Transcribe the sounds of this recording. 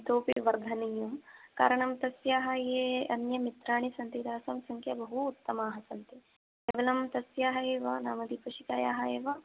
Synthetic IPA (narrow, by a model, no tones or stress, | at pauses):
t̪oːpiʋɐɾd̪ʱɐnijumka̰ːɾɐɳɐmt̪ɐsjaːɦɐjeːɐnjɐmit̪ɾaːɳ̃isɐnt̪id̪aːsɐmsɐŋkʰjɐbɐɦuːt̪ːɐmaːɦɐsɐnt̪i | eʋɐlɐmt̪ɐsjaːɦɐeːʋɐnaːmɐd̪ipɐʃikaːjaːɦɐeːʋɐ